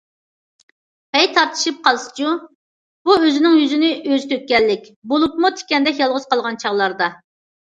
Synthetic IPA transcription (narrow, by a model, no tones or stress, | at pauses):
pɛjt̪ʰɑɾt̪ʰɨ̥ʃip̚qʰɑlˠsɨ̥t͡ʃʰu | b̥uøzɪnɪŋjyzɪnɪʔøzt̪ʰøk̚ʲːɛlːɪkʲbolˠupmut̪ʰɪ̥kʲɛnd̪ɛkjɑlˠʁʊz̥qɑlˠʁɑnt͡ʃʰɑʁlˠɑɾd̪ɑ